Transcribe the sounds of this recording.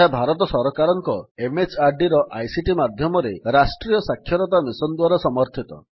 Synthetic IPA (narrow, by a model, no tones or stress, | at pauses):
abʱaɾɔt̪ɔsɔɾɔkaɾɔŋkɔemet͡ʃaɾɖiɾɔʔa̰jsiʈimad̪ʱjɔmɔɾeɾasʈɾijɔsakʰːjɔɾɔt̪amisɔnd̪waɾɔsɔmɔɾt̪ʰit̪ɔ̰